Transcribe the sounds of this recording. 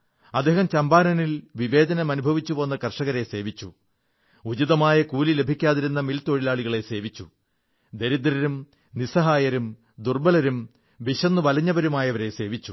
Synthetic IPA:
ɐd̪ʱːeːɦɐmt͡ɕɐmbaːnɐnilʋiʋe̞ːd̪ɐnɐmɐnubʱɐʋit͡ɕːupoːnːɐkɐrʂɐɣɐɾe̞se̞ːʋit͡ɕːu | ud͡ʑiðɐmaːjɐkuːlile̞bʱikʲːaːðiɾunːɐmilt̪o̞ɻilaːɭiɣɐɭe̞se̞ːʋit͡ɕːu | d̪eɾid̪ɾɐɾum | nisɐɦaːjɐɾum | d̪urbɐlɐɾum | ʋiɕɐnːuʋɐlɐɲːɐbɐɾumaːjɐʋɐɾe̞se̞ːʋit͡ɕːu

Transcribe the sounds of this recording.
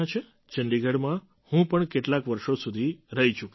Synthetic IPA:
ãt͡ʃʰe | t͡ʃəɳɖiɡʱəɽmã | hũpəɳkeʈlakʋəɾʃosud̪ʱiɾəɦit͡ʃʰuk

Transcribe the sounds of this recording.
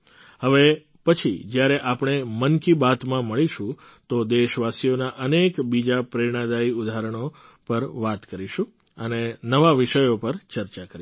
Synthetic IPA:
həʋe | pət͡ʃʰid͡ʒjaɾeʔapɳ̃emənkibat̪mãməɭiʃũ | t̪od̪eʃʋasijonaʔənekbid͡ʒapɾəɾɽ̃ad̪aiʊd̪ʱaɾəɽ̃o | pəɾʋat̪kəɾiʃũ | ənenəʋaʋɪʃəjopəɾt͡ʃəɾt͡ʃakəɾi

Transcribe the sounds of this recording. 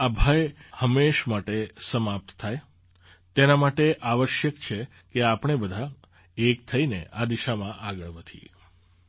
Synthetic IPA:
abʱajhəmeʃmaʈesəmap̚t̪t̪ʰːaj | t̪enamaʈeʔaʋəʃjəkt͡ʃʰe | keapɽ̃ebəd̪ʱa | ek̚t̪ʰəinḛʔad̪iʃamãʔaɡəɭʋət̪ʰḭ

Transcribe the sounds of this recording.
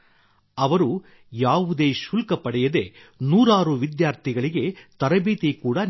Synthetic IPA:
ɐʋɐɾu | jaːʋud̪eːʃulkɐpɐɽɛjɐd̪e̞nuːɾaːɾuʋid̪jaːɾt̪ʰiɡɐɭiɡe̞t̪ɐɾɐbiːt̪ikuːɽɐn

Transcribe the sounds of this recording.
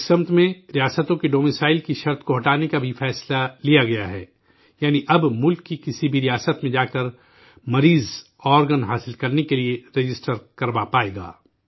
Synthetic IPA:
sɐ̃mt̪ʰmẽɾijaːsət̪õkeɖoːmisaːɪlkiʃɐɾt̪ʰkoɦɐʈaːnekabʱifɛːslalijaɡɐjaɦɛ̰ː | jaːniʔɐbmʊlkːikɪsibʱiɾijaːsət̪mẽd͡ʒaːkɐɾ | mɐɾiːz | ɔːɾɡənɦaːsɪlkɐɾnekelieɾed͡ʒɪsʈəɾkɐɾbapaːeːɡa̰ː

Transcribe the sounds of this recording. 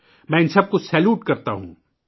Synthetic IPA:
mɛ̃ːɪ̃nsɐb̚kosɛːljuːʈkɐɾt̪aɦṵ̃ː

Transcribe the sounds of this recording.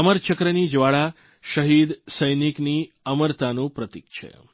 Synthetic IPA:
əməɾt͡ʃəkɾənid͡ʒʋaɭa | ʃəɦid̪səjnikni | əməɾt̪anũpɾət̪ik̚t͡ʃʰḛ

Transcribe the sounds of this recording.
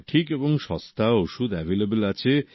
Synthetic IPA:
ʈʰikeboŋʃɔ̰̃st̪ʰaoʃud̪ɛvʱelebəlat͡ɕʰe

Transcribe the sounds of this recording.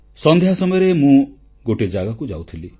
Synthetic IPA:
sɔnd̪ʱejɦasɔmɔjɔɾemũ | ɡoʈid͡ʒaɡakud͡ʒawt̪ʰili

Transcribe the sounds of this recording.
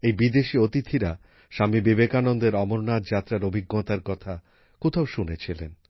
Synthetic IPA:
ejbid̪eʃiot̪it̪ʰiɾa | ʃamibibekanond̪eɾɔmoɾnat̪d͡ʑat̪ːɾaɾobʱiɡːot̪aɾkɔt̪ʰa | kot̪ʰawʃunet͡ɕʰilḛn

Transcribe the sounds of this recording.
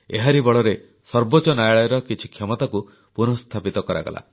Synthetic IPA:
eɦaɾibɔɭɔɾe | sɔɾbot͡ʃɔnajɭɔjɾɔkit͡ʃʰi̥kʰjɔmɔt̪aku | punɔst̪ʰapit̪ɔkɔɾa̰ɡɔ̰la̰

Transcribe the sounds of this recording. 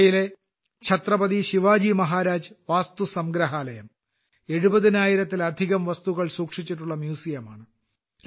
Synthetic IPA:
jile̞ | kɕʰɐt̪rɐbɐðiɕiʋaːd͡ʑimɐɦaːɾaːd͡ʑʋaːst̪usɐmɡɾɐɦaːlɐjɐm | e̞ɻubɐðinaːjiɾɐt̪ːilɐd̪ʱiɣɐmʋɐst̪uɣɐɭsuːkʂit͡ɕːiʈ̬ːuɭːɐmjuːsijɐmaːɳɨ

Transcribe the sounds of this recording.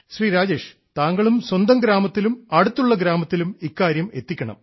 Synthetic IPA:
ɕriːɾaːd͡ʑe̞ːʂ | t̪aːŋɡɐɭumswɐnd̪ɐmɡɾaːmɐt̪ːilumɐɽut̪ːuɭːɐɡɾaːmɐt̪ːilumikːaːɾjɐme̞t̪ːikʲːɐɳɐ̰m

